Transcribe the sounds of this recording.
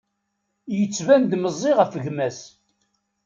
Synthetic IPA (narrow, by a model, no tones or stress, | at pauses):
jət͡sːvænd̪məzˤːiʁəfəɣmæs